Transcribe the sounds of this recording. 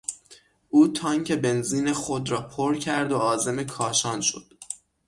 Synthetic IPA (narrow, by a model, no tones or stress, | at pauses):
ʔuːt̪ʰɒːŋcʰe̞be̞nziːne̞xod̪ɾɒːpʰoɾcʰæɾd̪o̞ɒːze̞me̞kʰɒːʃɒːnʃo̞̰d̪̥